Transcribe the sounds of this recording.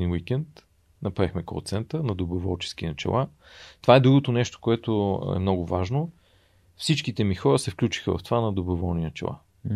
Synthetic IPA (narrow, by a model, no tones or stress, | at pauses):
inwikɛnt̪ | nɐpɾaɛxmɛkɾo̰t̪sɛnt̪ənɐd̪obovɔlˠt͡ʃɛ̥sk̟inɐt͡ʃɛ̰lˠʔa | t̪ovaɛd̪ɾuɡot̪onɛʃt̪o̥koɛt̪oɛ̰mnɔɡʊvaʒno | fsit͡ʃkit̪ɛmixɔɾəsɛfklʲut͡ʃi̥xəvɐ̰ft̪ovanɐd̪obovɔlˠnint͡ʃɛ̰lˠa̰